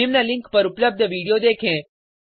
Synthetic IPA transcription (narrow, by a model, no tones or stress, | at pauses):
imnalɪ̃ŋkpəɾupləb̚d̪ʱəʋiɽijod̪ekʰẽ